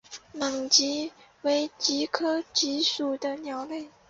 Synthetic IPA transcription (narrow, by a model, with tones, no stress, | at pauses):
ma˨˩ŋt͡ɕi˧˥we˧˥ɪt͡ɕi˧˥kʰɤ˥t͡ɕi˧˥ʂu˨˩d̪ə˦njɑ˧˥ʊle˥˩ɪ